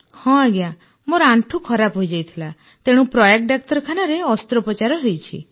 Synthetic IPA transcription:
hɔ̃aɡeja | moɾɔaɳʈʰukʰɔɾapɦojd͡ʒajt̪ʰila | t̪eɽ̃ũpɾɔjek̚ʈɖak̚t̪ɔɾɔkʰanaɾeɔst̪ɾɔpɔt͡ʃaɾɔɦojt͡ʃʰḭ

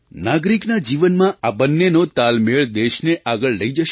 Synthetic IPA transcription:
naɡɾiknad͡ʒiʋənmãʔabənːenot̪almeɭd̪eʃneʔaɡəɭːəid͡ʒəʃ

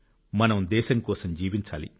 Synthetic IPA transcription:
mɐnɐmd̪ɛːʃɐŋkɔːsɐmd͡ʒiːʋiɲt͡ʃa̰ːlḭ

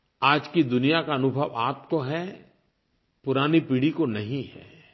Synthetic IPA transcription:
aːd͡ʒkid̪ʊnijakaɐnʊbʱəʋaːp̚koɦɛ | pʊɾaːnipiːɽikonɐɦĩɦɛ̰ː

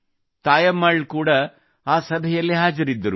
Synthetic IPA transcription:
t̪aːjɐmɐɭkuːɽɐ | aːsɐbʱɛjɐlːiɦaːd͡ʒɐɾid̪ːɐɾu

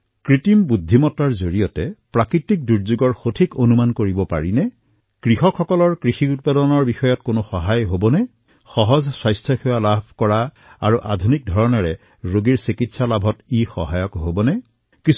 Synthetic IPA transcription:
kɹitimbudʱːimɔtaɹzoɹijɔtɛpɹakɹitik̚duɹzuɡɔɹxotʰikonumankoɹibɔpa̰ɹinɛ | kɹixɔkʰxɔkɔlɔɹkɹixiut̚padɔnɔɹbixɔjɔtkonʊxɔɦajɦobɔnɛ | xɔɦɔzswajstʰjɔxɔwalabʱkɔɹa | aɹuʔadʱunik̚dʱɔɹɔnɔɹɛ | ɹoɡiɹsikitsalabʱɔtixɔ̰ɦajɔkɦobɔnɛ | kis

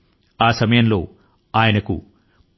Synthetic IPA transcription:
aːsɐmɐjɐmlo̞ː | aːjɐnɐkṵ

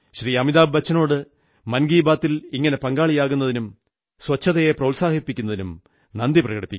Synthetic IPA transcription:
ɕriɐmiðaːbːɐt͡ɕːɐno̞ːɽɨ | mɐnɡiːbaːt̪ːiliŋːɐne̞pɐŋɡaːɭijaːɣunːɐðinum | swɐt͡ɕʰːɐðɐje̞prɐwlsaːhipːikʲːunːɐðinum | nɐnd̪iprɐɣɐɽipːikʲː

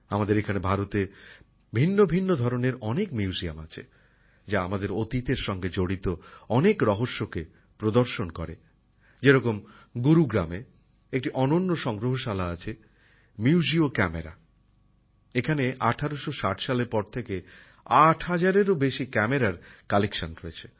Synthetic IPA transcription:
amad̪eɾekʰanebʱaɾot̪e | bʱinːobʱinːod̪ʱɔɾoneɾɔnekmiuzia̰ma̰t͡ɕʰḛ | d͡ʑaamad̪eɾot̪it̪eɾʃɔŋɡed͡ʑoɽit̪oɔnekɾɔɦoʃːoke | pɾod̪oɾʃonkɔ̰ɾe | d͡ʑeɾɔkom | ɡuɾuɡɾa̰me | ek̚ʈiʔɔnonːoʃɔŋɡɾoɦoʃalaat͡ɕʰe | miuziokɛmḛɾa̰ | ekʰaneʔa̰ʈʰaɾoʃoʃaʈʰʃaleɾpɔɾt̪ʰeke | aʈʰɦad͡ʑaɾeɾobeʃikɛmeɾaɾkalekʃanɾoet͡ɕʰe̥

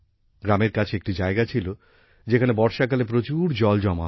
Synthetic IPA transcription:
ɡɾameɾkat͡ɕʰeek̚ʈid͡ʑaeɡat͡ɕʰilo | d͡ʑekʰanebɔɾʃakalep̬ɾot͡ɕuɾd͡ʑɔld͡ʑɔma

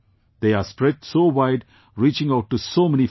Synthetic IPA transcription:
d̪̥eːaːspɾɛd͡ʒsoːʋaɪɖ | ɾiːt͡ʃɪ̃ŋaʊʈːusoːmɛni

